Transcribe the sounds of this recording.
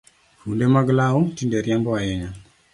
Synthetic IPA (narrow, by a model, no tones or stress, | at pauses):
fulemaɡəlautindeɾjamboajɛɲa